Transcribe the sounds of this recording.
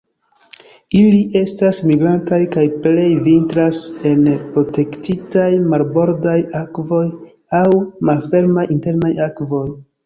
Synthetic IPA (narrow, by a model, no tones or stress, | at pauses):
iliʔe̞stasmiɡɾantajkajple̞jvintɾase̞npɾo̞te̞ktitajmalbo̞ɾdajakvo̞j | awmalfe̞ɾmajinte̞ɾnajakvo̞j